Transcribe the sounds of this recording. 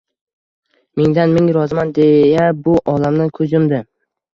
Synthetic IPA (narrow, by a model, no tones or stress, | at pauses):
meŋd̪anmɪŋɾɒzɪmand̪ejabʊʔɒlamnɪkʰɵzʊmd̪ɪ